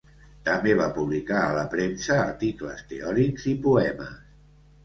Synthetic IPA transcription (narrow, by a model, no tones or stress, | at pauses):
t̪əmbeβ̞apuβlikaələpɾemsəːɾt̪iklə̰st̪eɔɾikzipuɛməs